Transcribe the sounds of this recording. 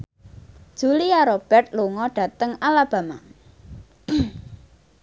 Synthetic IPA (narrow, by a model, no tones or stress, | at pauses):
d̥ʒ̥ṳliaɾob̥ɛ̤rt̪̚luŋɔɖ̥ä̤t̪əŋalab̥a̤ma